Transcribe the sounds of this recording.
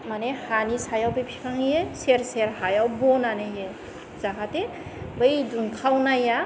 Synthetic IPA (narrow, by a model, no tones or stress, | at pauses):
manehanisajawbɯjpʰi̥kʰaŋjeseɾseɾhajawbɔnanɯje | zakate | bəjdunkʰawnaja